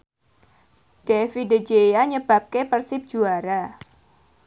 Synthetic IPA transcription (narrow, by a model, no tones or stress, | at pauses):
d̥efided͡ʒejaɲəb̥a̤p̚kepərsɪp̚d͡ʒ̥uaɾa